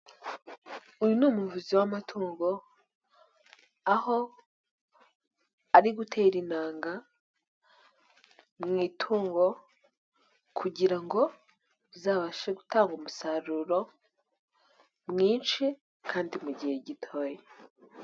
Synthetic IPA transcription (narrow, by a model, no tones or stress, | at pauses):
ujunuːmuvuziwamatʰuːŋɡo̞ | aho̞ | aɾiɡutʰeːɾinaːŋɡa | mŋiːtʰuːŋɡo̞ | kʰuɟiɾaŋɡo̞ | zaːβaʃeɡutaːŋɡumusaɾuɾo̞ | mŋiːnʃi | kʰaːndimuɟihe̞ɟitʰo̞ːje